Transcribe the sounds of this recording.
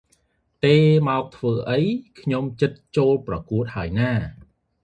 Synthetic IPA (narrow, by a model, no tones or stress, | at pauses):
t̪eːmaɔk̚t̪ʰʋəːʔəjkʰɲomt͡ɕɨt̪̚t͡ɕoːlprɑkuət̪̚haəjnaː